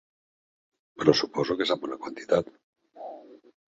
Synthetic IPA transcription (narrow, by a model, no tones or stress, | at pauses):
pɾɔsupɔzokezambɔnakwant̪i̥t̪at̪